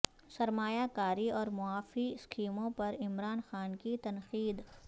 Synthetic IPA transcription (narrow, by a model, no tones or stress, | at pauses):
sɐɾmaːjakaːɾiɔːɾmʊaːfiɪskʰiːmõpɐɾɪmɾaːnxaːnkit̪ɐnxiːd̪